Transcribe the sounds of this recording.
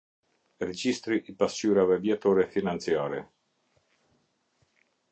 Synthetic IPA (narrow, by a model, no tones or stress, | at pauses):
ɾɛd͡ʑist̪ɾiʔipast͡ɕyɾavɛvjɛt̪ɔɾɛfinant͡sjaɾɛ